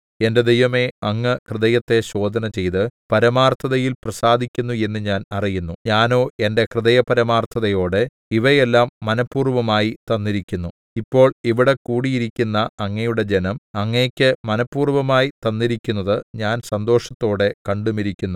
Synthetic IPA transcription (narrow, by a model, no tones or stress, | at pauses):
e̞nde̞d̪ejʋɐme̞ɐŋːɨkrɨðɐjɐt̪ːe̞ɕo̞ːd̪ʱɐnɐt͡ɕe̞jt̪ɨpɐɾɐmaːrt̪ʰɐðɐjilprɐsaːd̪ʱikʲːunːue̞nːɨɲaːnɐrijunːuɲaːno̞ːe̞nde̞krɨðɐjɐpɐɾɐmaːrt̪ʰɐðɐjo̞ːɽe | iʋɐje̞lːaːmːɐnɐpːuːrʋɐmaːjit̪ɐnːiɾikʲːunːu | ipːo̞ːɭiʋiɽe̞kuːɽijiɾikʲːunːɐɐŋːɐjuɽe̞d͡ʑe̞nɐmɐŋːekʲːɨmɐnɐpːuːrʋɐmaːjit̪ɐnːiɾikʲːunːɐðɨɲaːnsɐnd̪o̞ːʂɐt̪ːo̞ːɽe̞kɐɳɖumiɾikʲːunːu